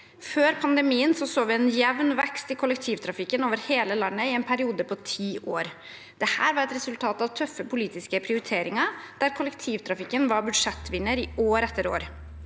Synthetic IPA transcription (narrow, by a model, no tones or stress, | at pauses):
føːɾpʰɑnd̪ɛmiːənsɔsoːʋɪɛnjɛʋnʋɛkst̪ɪlkʰʊlɛkt̪ʰiːʋt̪ʰɾɑfɪkːənoːʋəɾheːləlɑnːəɪɛnpʰæɾɪuːd̪əpʰɔt̪ʰiːʔoːɾ | d̪̥ɛhæːɾʋɑɾɛt̪ɾɛsʉlt̪ʰɑːt̪ɑʋt̪ʰœfːəpʰʊliːt̪ɪskəpʰɾɪʊɾɪt̪ʰeːɾɪŋɑɾd̪̥æɾkʰʊlɛkt̪ʰiːʋt̪ʰɾɑfɪkːənʋɑɾbʉd̪ʂɛt̪ːʋɪnːəɾɪoːɾɛt̪ːəɾo̰ːɾ